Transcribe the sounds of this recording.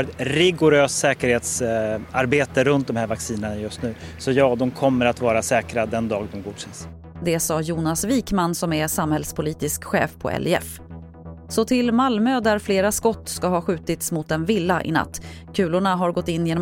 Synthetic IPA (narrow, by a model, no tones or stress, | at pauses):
ɾɛt̪ɾɪɡʊɾøːst̪sɛːkəɾheːt̪saɾbeːt̪əɾɵnt̪̚d̪ɔmhæːɾvaksiːnənajɵst̪nʉ̟ːsɔjɑːd̪ɔmkʰɔmːəɾat̪vɑːɾasɛːkɾad̪ɛnd̪ɑːɡ̚d̪ɔmɡuːd̪ɕɛns | d̪ɛsɑːjuːnasviːkmansɔmɛsamhɛlspʰʊliːt̪ɪskɧɛ̰ːfpʰɔ̰ʔɛ̰lʔɪɛ̰f | sɔt̪ʰɪlmalmøːd̪æɾfleːɾaskɔt̪ːskaɦɑːɧʉ̟ːt̪ɪt̪smʊt̪ɛnvɪlːaʔɪ̰na̰t̪ː | kʰʉ̟ːlʊɳaɦaɾɡɔt̪ːɪnːjeːn